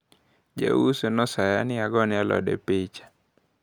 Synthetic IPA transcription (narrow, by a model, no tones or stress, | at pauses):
d͡ʒa̰usenɔsajanɪaɡɔnɪalɔ̰dɛ̰pet͡ʃḁ